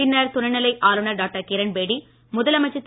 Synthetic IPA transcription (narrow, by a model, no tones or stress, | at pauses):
ɪnːɐɾt̪ʊnɐnːɐlɐɪʔaːlunɐɾɖaːk̚ʈɐkeɾɐnbeːɽi | mʊðɐlɐmɐɪt͡ʃːɐt̪ː